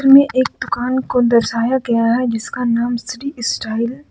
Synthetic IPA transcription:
ɾmẽʔeːk̚d̪ʊkaːnkod̪ɐɾʃaːjaɡɐjaɦɛd͡ʒɪskanaːmsɪɾisʈaːɪl

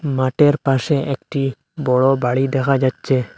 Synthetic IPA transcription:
maʈeɾpasɛʔɛk̚ʈi | bɔɭɔbaɽid̪ɛkad͡ʒat̪̚t͡ʃʰɛ

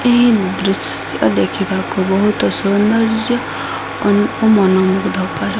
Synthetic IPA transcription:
eɦid̪ɾus | jɔ̰d̪ekʰibakubɔɦut̪ɔsund̪ʌɾd͡ʒjɔ | ɔnuumɔnɔmuɡd̪ʱɔpaɾe

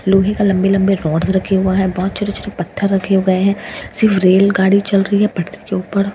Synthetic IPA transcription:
loːɦekalɐ̃mbelɐ̃mbeɾɔːɖzɾɐkʰeɦʊaɦɛbɔɦːt̪t͡ʃʊɾet͡ʃʊɾepɐt̪ʰːəɾːɐkʰeɦoɡɐeɦɛ̃ːsɪɾfʰɾeːlɡaːɽit͡ʃɐlɾɐɦiɦɛpɐʈɾikeuːpəɾ

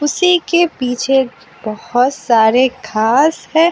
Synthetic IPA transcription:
ʊsikepiːt͡ʃʰe | bɔhʊt̪saːɾekʰaːsɦɛ̃ː

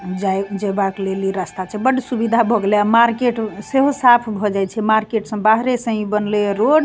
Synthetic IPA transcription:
d͡ʒaed͡ʒebakleliɾast̪at͡ʃʰɛbəɽisubid̪ʱabʱɔɡleamaɾkeʈseɦosapʰbʱɔd͡ʒajt͡ʃʰɛmaɾkeʈsə̃baɦɾesə̃ɦĩbənlɛɾoɖ

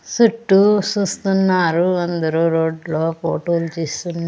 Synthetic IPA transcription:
suʈːut͡ʃuːst̪unːaːɾuɐnd̪ɐɾuːɾo̞ːɖlo̞ːpo̰ːʈoːlut͡ʃeːst̪un

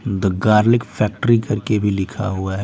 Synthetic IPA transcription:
d̪əɡaːɾlɪkfʰɛːk̚ʈəɾikɐɾkebʱilɪkʰa̰ɦuaɦɛ

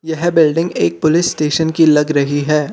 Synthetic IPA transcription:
jɛɦbɪlɖɪ̃ŋɡeːk̚pʊlɪsːʈeːʃənkilɐɡɾɐɦiɦɛː

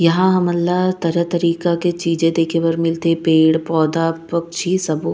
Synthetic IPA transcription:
jɐɦãɦɐmɐlːaɦt̪ɐɾət̪ɐɾiːkaket͡ʃiːd͡ʒẽd̪eːkʰebɐɾmɪlt̪epeːɽpɔːd̪apɐk̚t͡ʃʰisɐbo

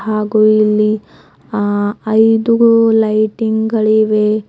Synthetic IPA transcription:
ɦaːɡuilːi | ɐjd̪ulɐjʈiŋɡɡɐɭiʋe

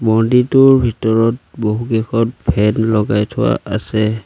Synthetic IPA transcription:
bɔnditʊɹbʱitɔɹɔt̚boɦukɛxɔt̚bʱɛnlɔɡajtʰʊwa̰ʔa̰sɛ

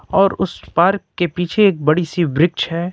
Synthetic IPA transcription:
ɔːɾʊspaːɾkːepiːt͡ʃʰeeːk̚bɐɽisibɾɪk̚t͡ʃɦɛː

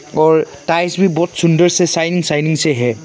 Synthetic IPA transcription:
ɔɹ | tajsbibɔt̚sundəɹsɛsajniŋsajniŋsɛɦɛ

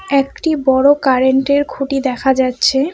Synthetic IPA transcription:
ekʈibɔɽokaɾeɳʈeɾkʰuʈid̪ɛkʰad͡ʑatːɕʰe

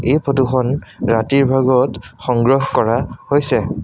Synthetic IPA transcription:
ejpʰotuxʰɔnɹatiɹbʱaɡɔtxɔŋɡɹɔɦkɔɹahojsɛ

